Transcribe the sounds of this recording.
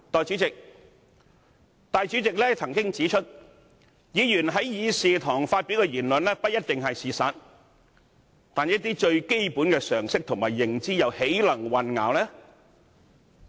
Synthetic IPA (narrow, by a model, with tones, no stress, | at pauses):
t̪ɔː˨jt͡syː˨˥t͡sɪ˨k̚ | t̪aː˨jt͡ʃy˨˥t͡sɪ˨k̚lɛː˥t͡sʰɐ˨˩ŋkɪ˥ŋt͡siː˨˥t͡ʃʰɵ˥t̚ | jiː˨˧jyː˨˩nɦɐ˨˥jjiː˨˧siː˨t̪ʰɔː˨˩ŋfaː˧t̚pi˨˥wkɛː˧jiː˨˩nlɵ˨nlɛː˥pɐ˥t̚jɐ˥t̚t̪ɪ˨ŋɦɐ˨jsiː˨saː˨t̚ | t̪aː˨njɐ˥t̚t̪iː˥t͡ʃɵ˧ɥke˥jpuː˨˥nkɛː˧sœː˨˩ŋsɪ˥k̚t̪ʰʊ˨˩ŋmaː˨˩jːɪ˨˩ŋt͡siː˥jɐ˨whe˨˥jlɐ˨˩ŋwɐ˨nŋa̰ː˨˧wlɛː˥